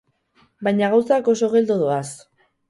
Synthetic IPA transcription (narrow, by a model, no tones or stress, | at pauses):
bajɲaɣawsako̞so̞ɣ̞e̞ld̪oðoas